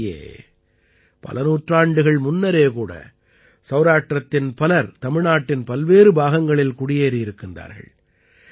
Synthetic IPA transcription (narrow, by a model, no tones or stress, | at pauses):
jḛː | pɐ̰lɐnuːʈraːɳɖɯɣɐɭmʊnːɐɾeːkuːɽɐ̰ | sɐːɾaːʈrɐt̪ːɪnpɐlɐɾt̪ɐmɪɻnaːʈːɪnpɐlʋeːɾɯbaːɣɐŋɡɐɭɪlkʊɽɪjeːɾijɪɾɯkːɪnd̪a̰ːɾɣɐ̰ɭ